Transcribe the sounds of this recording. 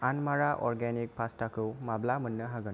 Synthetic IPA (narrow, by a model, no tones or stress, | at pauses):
anmaɾaʔɔɾɡenik̚pʰastakɯwmablamɯnːɯɦaɡɯn